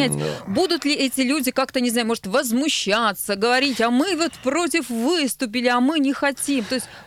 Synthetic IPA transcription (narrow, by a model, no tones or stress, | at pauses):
ætʲbud̪ʊt̪lʲɪʔɛtʲɪlʲudʲɪkakt̪ənʲɪznajʊmo̞ʐɨt̪vəzmʊɕːat̪səɡəvɐɾʲitʲɐmɨvo̞t̪pɾo̞t̬ʲɪfvɨst̪ʊpʲɪlʲɪɐmɨnʲɪxɐtʲimt̪o̞ɪsʲt̚ʲ